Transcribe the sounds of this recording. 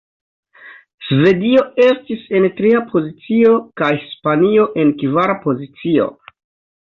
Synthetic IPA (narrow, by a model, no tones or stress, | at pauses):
sve̞dio̞e̞stise̞ntɾiapʰo̞zit͡sio̞kajhispanio̞ʔe̞nkvaɾapo̞zit͡sio̞̰